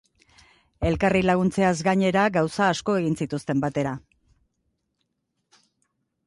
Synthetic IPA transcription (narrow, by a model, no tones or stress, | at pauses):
e̞lkarilaɣ̞unt͡se̞azɡaɲe̞ɾaɡawsaːsko̞e̞ɣinsit̪ust̪e̞mbat̪e̞ɾa